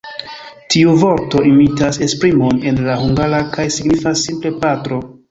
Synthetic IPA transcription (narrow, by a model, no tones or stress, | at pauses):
tʰiuvo̞ɾto̞imitase̞spɾimo̞ne̞nlahuŋɡaɾakajsiɡnifasːimple̞patɾo̞